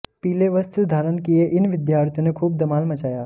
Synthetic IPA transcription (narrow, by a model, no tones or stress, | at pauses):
piːleʋəst̪ud̪ʱaːɾənkijeʔɪnʋɪd̪jaːɾt̪ʰjõnekʰuːb̚d̪ɐmaːlmɐt͡ʃaːja